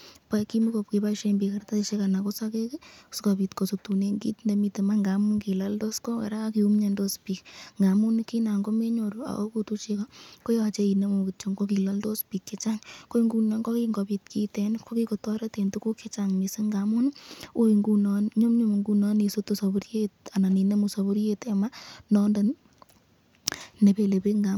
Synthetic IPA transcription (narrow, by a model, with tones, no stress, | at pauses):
paki˦mi˦kɔp̚ke˨paʃe˧mbikaɾt̪aiʃe˦kanakosakekskɔpitkɔ˨sutu˨neŋɡḭ˦t̪ndemi˧temaŋɡamu˦nki˨laldo˦skɔ˦a̰˨ɾa˦kiu˦mɲa˧ndospikŋɡamu˦nkina˨ŋɡɔ˦me˦ɲoɾua̰˨ʔokutut͡ʃekako˦jat͡ʃe˦i˨ne˦mukit͡ʃo˨ŋko˦ki˨laldo˦spi˨kːe˦t͡ʃaŋko˦i˦ŋɡu˨nɔ˦ŋɡo˦ki˦ŋɡɔ˨pi˧tki˦te˨nkʰo˦ki˦ko˨tɔ˦ɾa˦te˨ntu˦ko˦ke˦t͡ʃa˨ŋmi˨se˦ŋɡa˨mu˦n˦o˦iŋɡu˦nɔ˦nɲo˦mɲo˦m˨ŋɡu˦nɔ˦ni˨so˦to˦so˨bu˦ɾje˦t̚a˨na˨ni˨ne˦mu˨so˨βu˦ɾje˦te˨ma˦nɔ˦nda˨n | ne˨pe˨le˨pe˦ŋɡa˨